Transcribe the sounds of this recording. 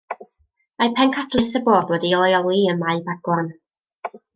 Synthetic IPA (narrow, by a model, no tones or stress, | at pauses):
majpʰɛnkʰatʰlˠɨθəboːdwɛdiɔlˠjɔlˠiənmajbaɡwɔn